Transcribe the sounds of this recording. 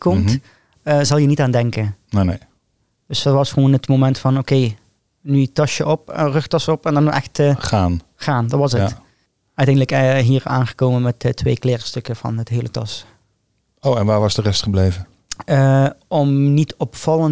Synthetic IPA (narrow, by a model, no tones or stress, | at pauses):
kɔmt | əzɑlˠjənitaːndɛŋkənnene | d̥ɵsdɑtʋɑsχəʋoːnətmomɛntfɑnokej | nytɑʃjəʔɔprɵχtɑsɔpɛndɑnɔʔɛxtəχaːnχaːndɑtʋɑsə | œɥtɛjndələkɦiːɹa̰ːnχə̥koːmənmɛtətʋejklɪːɹstɵkəv̥ɑ̰nətɦeːjlətɑ̰s | owɛnʋaːɹʋɑsdərɛstχəblejvə | əɔmnitɔpfɑlˠən